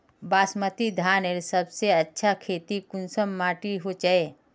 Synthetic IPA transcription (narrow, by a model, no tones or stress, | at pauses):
baːsmət̪id̪ʱaːneɾsɐbseɐtːʃʰakʰeːt̪ikʊnsəmːaːʈiɦot͡ʃəeː